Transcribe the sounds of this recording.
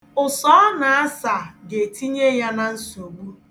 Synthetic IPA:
ʊ˨sɔ˦na˨a˦sa˨ɡe˨ti˦ɲe˦ja˦na˨n̩˦so˨ɡ͡bu˦

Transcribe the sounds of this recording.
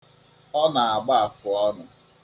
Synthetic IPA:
ɔ˦na˨a˨ɡ͡ba˦a˨fʊ˨ɔ˦nʊ˨

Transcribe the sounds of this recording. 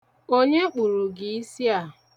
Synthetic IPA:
o˦ɲe˦k͡pu˨ɾu˨ɡi˨i˦si˦a˦˨

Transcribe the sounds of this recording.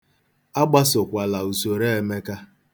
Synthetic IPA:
a˦ɡ͡ba˦sʊ˨kʷa˨la˨u˨so˨ɾe˦e˨me˦ka˦

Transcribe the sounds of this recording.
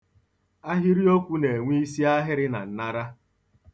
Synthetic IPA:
a˦ɦi˦ɾi˦o˦kʷu˦ne˨ŋʷi˦i˦si˦a˦ɦɪ˦ɾɪ˦na̰˨n̩˦na˦ɾa˦

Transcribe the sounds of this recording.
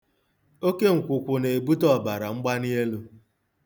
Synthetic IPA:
o˦ke˦ŋ̩˨kʷʊ˨kʷʊ˨ne˨bu˦tɔ˦˨ba˨ɾa˨ŋ͡m̩˦ɡ͡ba˦ni˦e˦lu˦

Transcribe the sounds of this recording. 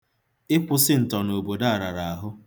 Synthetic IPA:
ɪ˦kʷʊ˨sɪ˦n̩˨tɔ˨no˨bo˨da˦a˨ɾa˨ɾa˨a˨ɦʊ˦

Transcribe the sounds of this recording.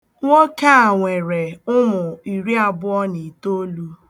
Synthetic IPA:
ŋʷo˦ka˦a˨ŋʷe˨ɾe˨ʊ˦mʊ˨i˨ɾi˦a˨bʊ˦ɔ˦ni˨to˦lu˦

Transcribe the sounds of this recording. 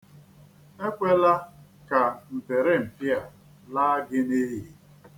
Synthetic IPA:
e˦kʷe˦la˦ka˨n̩˨tɪ˨ɾɪ˦m̩˨pi˦a˨ | la˦ɡɪ˦ne˦ɦi˦˨

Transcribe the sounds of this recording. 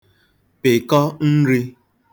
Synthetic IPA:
pe˨kɔ˦n̩˦ɾi˦

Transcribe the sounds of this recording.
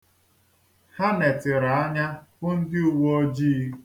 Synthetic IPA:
ha˦ne˨tɪ˨ɾa˨a˦ɲa˦kʊ˦n̩˦dɪ˦u˨wo˦o˦d͡ʒiː˦

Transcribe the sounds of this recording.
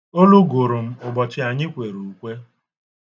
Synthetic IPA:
o˦lu˦ɡo˨ɾʊ˨m̩˦ʊ˨bɔ˨t͡ʃɪ˦a˨ɲɪ˦kʷe˨ɾu˨u˨kʷe˦

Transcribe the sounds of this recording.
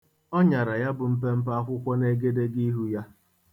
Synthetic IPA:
ɔ˦ɲa˨ɾa˨ja˦bʊ˨m̩˦p̬e˦m̩˦pa˦kʷʊ˦kʷɔ˦ne˦ɡe˦de˦ɡi˦ɦu˦ja˦

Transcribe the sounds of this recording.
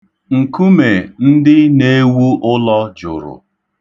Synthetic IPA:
ŋ̩˨ku˦me˨n̩˦dɪ˦ne˦wu˦ʔʊ˦lɔ˦d͡ʒʊ̰˨ɾʊ̰˨

